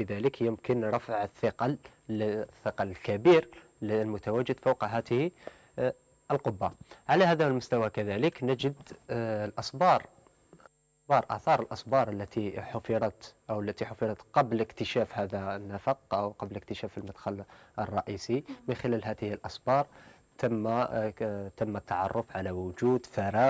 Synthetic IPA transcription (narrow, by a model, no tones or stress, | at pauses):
bəðæləkjəmkənɾˤɑfʕəθːəqɑ | θːəqɑlkæbiːɾ | llmʊt̪awæd͡ʒːəd̪fawqɦæt̪əhi | ʔəlqʊbːaʕalæhæːd̪æwəlmʊst̪awakæðæləknæd͡ʒəd̪lʔɑsbɑɾˤ | sbɑːɾˤʔæ̰θɑːɾˤəlʔɑsbɑɾˤəlːæt̪iħʊfiɾˤɑt̪ʔawəlːæt̪iħʊfiɾˤɑt̪qɑbləkt̪əʃæfhæd̪anːafɑq̚ʔawqɑblək̚t̪əʃæfəlmad̪xɑlʔərˤːɑʔisimənxɪlælɦæːt̪əhəlʔɑsbɑːɾˤ | t̪amːa | t̪əmːæt̪ːɑʕɑ̰rˤːʊfʕalawʊd͡ʒuːd̪fɑɾɑː